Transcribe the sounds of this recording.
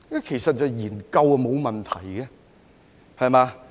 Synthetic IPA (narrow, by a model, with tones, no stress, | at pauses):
kɐ˥kʰe˨˩jsɐ˨t̚t͡sɐ˨wjiː˨˩nkɐ˧wɐ˧mo˨˧wmɐ˨nt̪ʰɐ˨˩jɡɛ˧ | hɐ˨jmaː˧